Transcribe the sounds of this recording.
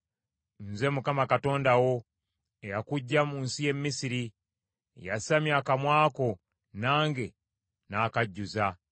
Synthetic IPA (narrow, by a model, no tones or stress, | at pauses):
n̩ze̞mukamakato̞ːndawo̞ | ejakuɟːamuːnsije̞mːisiɾi | ejasamjakamwaːko̞ | naːŋɡe̞ | naːkaɟːuza